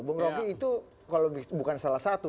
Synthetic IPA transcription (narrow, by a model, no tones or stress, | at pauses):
bəŋɾokiit̪u | kaloibukansalahsat̪u